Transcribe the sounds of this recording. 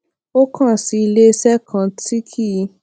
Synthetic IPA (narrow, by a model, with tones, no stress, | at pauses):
o˦kã˦˨si˨˧i˧le˦˧sɛ˦kʰã˧ti˦kʰi˦˧